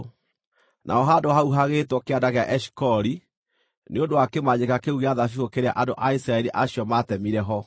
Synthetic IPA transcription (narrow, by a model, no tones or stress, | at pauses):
nʔa̰ɔɦadoɦauɦaɣetwɔkeadaɣeaʔɛʃi̥kɔɾi | neondoakemaɲekakeuɣeaðafiokeɾea̰ʔadoʔaisɾaɛɾiʔaɕiɔmatɛmiɾɛɦɔ